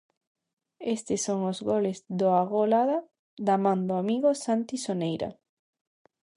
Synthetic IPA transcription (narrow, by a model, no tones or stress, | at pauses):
est̪ɪsoŋozɣolezðoaɣolaða | d̪amãnd̪oamiɣosant̪isonejɾɐ̰